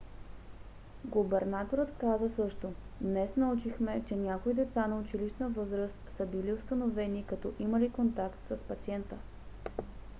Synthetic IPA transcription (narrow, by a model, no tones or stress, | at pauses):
ɡʊbɛɾnat̪oɾət̪kazəsɤʃt̪od̪nɛsnɐut͡ʃixmɛt͡ʃɛnʲjakoid̪ɛt̪sanɐʊt͡ʃiliʃnəvɤzɾəst̪səbiliʊst̪ənovɛnikɐt̪ɔʔiməlikont̪akt̪səspɐt̪siɛnt̪ə